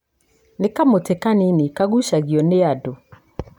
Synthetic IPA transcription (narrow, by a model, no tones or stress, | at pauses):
nɪ̃kamʊtʰɪkanɪ̃nɪ̃kaɡuɕaɡiɔneadʊ